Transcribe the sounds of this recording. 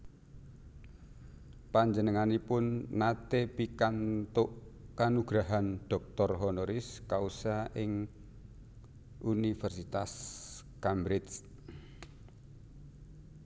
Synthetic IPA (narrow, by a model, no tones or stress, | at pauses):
paɲd͡ʒənəŋanipʊnːat̪epikant̪ʊʔkanuɡ̥ɾaɦanɖ̥ɔ̤k̚t̪ɔrɦɔnoɾɪskausaʔɪŋ | unifərsit̪as | kambɾɪt͡ʃ